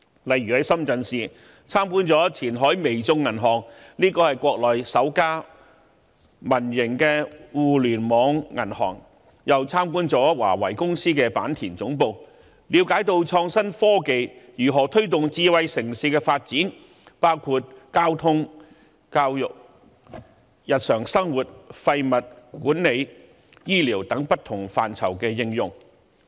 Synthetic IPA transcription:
lɐ˨˧jɥyː˨hɐ˨˧jsɐ˥mt͡sɐ˨˧nsiː˨ | t͡sʰaː˥mkuː˥nt͡sɔː˨˥t͡sʰiː˨˩nɦɔː˨˥jme˨jt͡sʊ˧ŋːɐ˨˩nɦɔː˨˩ŋliː˥kɔː˧hɐ˨jkʷɔː˧k̚lɔː˨jsɐ˨˥wkaː˥ | mɐ˨˩njɪ˨˩ŋkɛː˧wuː˨lyː˨˩nmɔː˨˧ŋːɐ˨˩nhɔ̰ː˨˩ŋ | jɐ˨˩wt͡sʰaː˥mkuː˥nt͡sɔː˨˥wa̰ː˨˩wɐ˨˩jkʊ˥ŋsiː˥kɛː˧pa̰ː˨˥nt̪ʰiː˨˩nt͡sʊ˨˥ŋpo˨˧w | liː˨˧wkaː˨˥jt̪o˧wt͡sʰɔː˧ŋsɐ˥nfɔː˥ke˨jjyː˨˩ɦɔː˨˩t̪ʰɵ˥ɥt̪̬ʊ˨ŋt͡siː˧wɐ˧jsɪ˨˩ŋsiː˨˧kɛ˧faː˧t̚t͡siː˨˥n | paː˥wkʰuː˧t̚kaː˥wt̪ʰʊ˥ŋ | kaː˧wjʊ˨k̚ | jɐ˨t̚sœː˨˩ŋsɐ˥ŋwuː˨t̚fɐ˧jmɐ˨t̚kuː˨˥nne˨˧j | jiː˥liː˨˩wt̪ɐ˨˥ŋpɐ˥t̚t̪ʰʊ˨˩ŋfaː˨nt͡sʰɐ˨˩wkɛː˧jɪ˧ŋjʊ˨ŋ

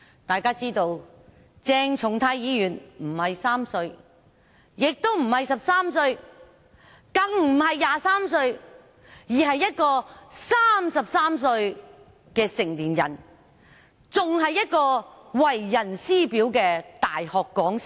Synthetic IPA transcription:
t̪aː˨jkaː˥t͡siː˥t̪o˧w | t͡sɛː˧ŋt͡ʃʰʊ˨˥ŋt̪ʰaː˨˥jjiː˨˥jyː˨˩nm̩˨˩hɐ˨jsaː˥msɵ˧ɥ | jɪ˨k̚t̪o˥wm̩˨˩hɐ˨jsɐ˨p̚saː˥msɵ˧ɥ | kɐ˨˧ŋm̩˨˩hɐ˨jːaː˨˧saː˥msɵ˧ɥ | jiː˨˩ɦɐ˨jːɐ˥t̚kɔː˧saː˥msɐ˨p̚saː˥msɵ˧ɥ | kɛː˧sɪ˨˩ŋliː˨˩njɐ̰˨˩n | t͡sʊ˨ŋɦɐ˨jːɐ˥t̚kɔː˧ | wɐ˨jːɐ˨˩nsiː˥piː˨˥wkɛː˧t̪aː˨jhɔː˨kːɔː˨˥ŋs

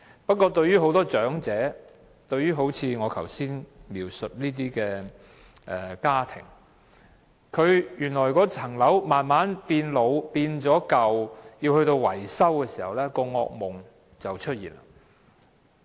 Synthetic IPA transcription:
pɐ˥t̚kːɔː˧t̪ɵ˧ɥjyː˥ɦo˨˥wt̪ɔː˥t͡ʃœː˨˥ŋt͡sɛː˨˥ | t̪ɵ˧ɥyː˥ɦo˨˥wt͡sʰiː˨˧ŋɔː˨˧kʰɐ˨˩wsiː˥nmiː˨˩wsɵ˨t̚liː˥t̪̬iː˥kɛː˧ | ʔɛ˨kaː˥t̪ʰɪ̰˨˩ŋ | kʰɵ˨˧ɥjyː˨˩nlɔː˨˩jkɔː˧t͡sʰɐ˨˩ŋlɐ˨˥wmaː˨nmaː˨˥npiː˧nlo˨˧wpiː˧nt͡sɔː˨˥kɐ˨wjiː˧whɵ˧ɥt̪o˧wwɐ˨˩jsɐ˥wkɛː˧siː˨˩hɐ˨˩wlɛ˥kɔː˧ŋɔ̰ː˧k̚mʊ˨ŋ | t͡sɐ˨wt͡ʃʰɵ˥t̚jiː˨˩nla̰ː˨

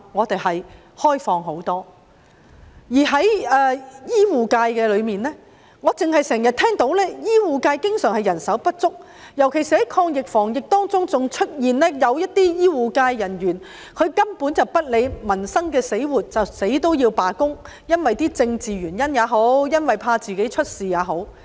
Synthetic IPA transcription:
ŋɔː˨˧t̪e˨jhɐ˨j | hɔː˥jfɔː˧ŋɦo˨˥wt̪ɔː˥ | jiː˨˩ɦɐ˨˥jː | jiː˥wuː˨kaː˧jkɛː˧lɵ˨˧ɥmiː˨nlɛː˥ | ŋɔ˨˧t͡sɪ˨ŋhɐ˨˩jsɛː˨˩ŋjɐ˨t̚t̪ʰɛː˥ŋt̪o˨˧˥wlɛː˥jiː˥wuː˨kaː˧jkɪ˥ŋsœː˨˩ŋhɐ˨jɐ˨˩nsɐ˨˥wpɐ˥t̚t͡sʊ˥k̚ | jɐ˨˩wkʰe˨˩siː˨˩hɐ˨˥jkʰɔː˧ŋjɪ˨k̚fɔː˨˩ŋjɪ˨k̚t̪ɔː˥ŋt͡sʊ˥ŋt͡sʊ˨ŋt͡ʃʰɵ˥t̚jiː˨nlɛː˥jɐ˨˧wjɐ˥t̚t̪iː˥jiː˥wuː˨kaː˧jːɐ˨˩njyː˨˩n | kʰɵ˨˧ɥkɐ˥mpuː˨˥nt͡sɐ˨wpɐ˥t̚le˨˧jmɐ˨˩nsɐ˥ŋkɛː˧se˨˥jwuː˨t̚t͡sɐ˨wse˨˥jt̪o˥wjiː˧wpaː˨kʊ˥ŋ | jɐ˥nwɐ˨jt̪iː˥t͡sɪ˧ŋt͡siː˨ɥyː˨˩njɐ˥njaː˨˧ɦo˨˥wjɐ˥nwɐ˨jpʰaː˧t͡siː˨ke˨˥jt͡ʃʰɵ˥t̚siː˨˩jaː˨˧ɦo˨˧˥w

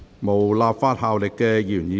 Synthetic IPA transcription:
mo˨˩wlaː˨˧p̚faː˧˥t̚haː˨˧wlɪ˨kːɛː˧jyː˨˩njiː˨˧

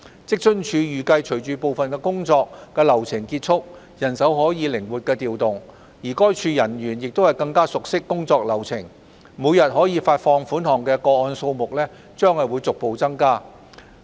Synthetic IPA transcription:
t͡sɪ˥k̚t͡ʃɵ˥nt͡ʃʰyː˨˧jyː˨kɐ˧jt͡ʃʰɵ˨˩jt͡ʃyː˨po˨wfɐ˨nkɛː˧kʊ˥ŋt͡sɔː˧k̚ːɛː˧lɐ˨˩wt͡sʰɪ˨˩ŋkiː˧t̚t͡ʃʰʊ˥k̚ | jɐ˨˩nsɐ˨˥wɦɔː˨˥jiː˨˧lɪ˨˩ŋwuː˨˩t̚kɛː˧t̪iː˨wt̪ʊ˨˩ŋ | jiː˨˩kɔː˥jt͡ʃʰyː˧jɐ˨˩nɥyː˨˩njɪ˨k̚t̪o˥whɐ˨jkɐ˧ŋkaː˥sʊ˨k̚sɪ˥kːʊ˥ŋt͡sɔː˧k̚lɐ˨˩wt͡sʰɪ˨˩ŋ | muː˨˧jɐ˨t̚ɦɔː˨˥jiː˨˧faː˧t̚fɔː˧ŋfuː˨˥nhɔː˨˩ŋkɛː˧kɔː˧ɔː˧nso˧wmʊ˨k̚lɛː˥ | t͡ʃœː˥ŋhɐ˨jwuː˨˧jt͡sʊ˨k̚po˨˧wt͡sɐ˥ŋkaː˥

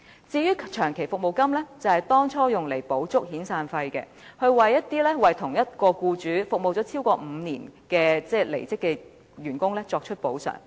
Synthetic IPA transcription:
t͡siː˧jyː˥t͡ʃʰœː˨˩ŋkʰe˨˩jfʊ˨k̚mo˨˩wkɐ˥mlɛː˥t͡sɐ˨˩hɐ˨jt̪ɔː˥ŋt͡sʰɔː˥jʊ˨ŋle˨˩jpo˨˥wt͡sʊ˥k̚hiː˨˥nsaː˧nfɐ˧jkɛ̰˧ | hɵ˧ɥwɐ˨jːɐ˥t̚t̪iː˥lɛː˥wɐ˨jt̪ʰʊ˨˩ŋjɐ˥t̚kɔː˧kuː˧t͡ʃyː˨˥fʊ˨k̚mo˨wt͡sɔː˨˥t͡sʰiː˥wkɔː˧m̩ː˨˧niː˨˩nkɛː˧t͡sɛː˥˩lḛ˨˩jt͡sɪ˥kːɛ˧ | jyː˨˩nkʊ˥ŋlɛ˥t͡sɔː˧k̚t͡ʃʰɵ˥t̚po˨˥wsœ̰ː˨˩ŋ

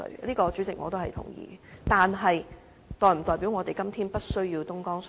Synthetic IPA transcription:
ɵ̰˧ɥliː˥kɔː˧t͡syː˨˥t͡sɪ˨k̚ŋɔ̰ː˨˧t̪o˥whɐ˨jt̪ʰʊ̰˨˩ŋjḭː˨˧t̪aː˨nɦɐ˨j | t̪ɔː˨jm̩˨˩t̪ɔː˨jpi˨˥wŋɔː˨˧t̪e˨˩jkɐ˥mt̪ʰiː˥npɐ˥t̚sɵ˥ɥjiː˧wt̪ʊ˥ŋkɔː˥ŋs

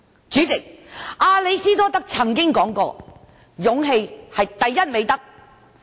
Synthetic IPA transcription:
t͡ʃyː˨˥t͡sɪ˨k̚ʔaː˧le˨˧jsiː˥t̪ɔː˥t̪ɐ˥k̚t͡sʰɐ˨˩ŋkɪ˥ŋkɔː˨˥ŋkɔ̰ː˧ | jʊ˨˥ŋɦe˧jhɐ˨jt̪ɐ˨jːɐ˥t̚me˨˧jt̪ɐ˥k̚

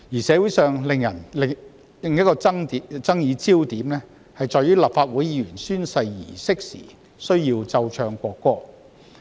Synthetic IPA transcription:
jiː˨˩sɛː˨˧wu˨˥jsœː˨ŋlɪ˨ŋjɐ˨˩nl | lɪ˨ŋjɐ˥kɔː˧t͡sɐ˥ŋt̪i˨˥t͡sɐ˥ŋjiː˨˧t͡siː˥wt̪iː˨˥mlɛː˥ | hɐ˨jt͡sɔː˨jyː˥la˨p̚faː˧t̚wuː˨˥jiː˨˧jyː˨˩nsyː˥nsɐ˧jːḭː˨˩sɪ˥k̚sḭː˨˩ | sɵ˥ɥjiː˧wt͡sɐ˧wt͡ʃʰœː˧ŋkʷɔː˧kːɔː˧˥k̚

